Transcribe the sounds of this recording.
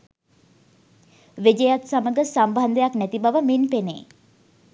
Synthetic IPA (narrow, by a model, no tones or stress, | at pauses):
ʋed͡ʒəjat̪saməɡəsamband̪əjaknæt̪ibaʋəminpenḛː